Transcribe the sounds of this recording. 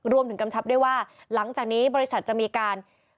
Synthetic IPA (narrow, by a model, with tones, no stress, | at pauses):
ɾu˧əmt̪ɯ˩˦ŋka˧mt͡ɕʰa˦˥p̚du˥˩əjwaː˥˩ | la˩˦ŋt͡ɕaː˨˩k̚niː˦˥bɔː˧ɾi˦˥sa˨˩t̪̚t͡ɕa˨˩miː˧kaː˧n